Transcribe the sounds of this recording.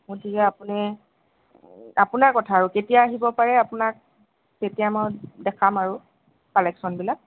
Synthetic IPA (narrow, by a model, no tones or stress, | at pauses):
mʊtikɛapuni | apʊnaɹkɔtʰaːɹuketijaːɦibɔpaɹɛapʊnak̚ː | etijamɔjdɛkʰamaɹu | kɔlɛksɔnbilak̚